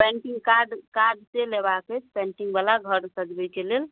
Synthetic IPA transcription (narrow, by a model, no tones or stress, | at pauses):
pɛ̃ɳʈiŋɡkaɾɖkaɾɖselebakət͡ʃpɛ̃ɳʈiŋɡbalaɡʱəɾsə̃d͡ʒbəjkelel